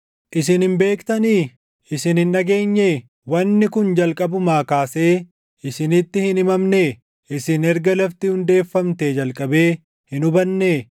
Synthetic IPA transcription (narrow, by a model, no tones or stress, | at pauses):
ʔɪs̬ɪnhɪmbe̞ːkt̪ɐniː | ɪsɪnhɪnᶑɐɡe̞ːɲːe | wɐnːɪkʊnd͡ʒɐlkʼɐbʊmaːkaːse̞ː | ʔɪsɪnɪt̪ːɪhɪnɪmɐmne | ʔɪsɪnɛɾɡɐlɐft̪ɪhʊnd̪e̞ːfːɐmt̪ed͡ʒɐlkʼɐbeː | hɪnʊbɐnːeː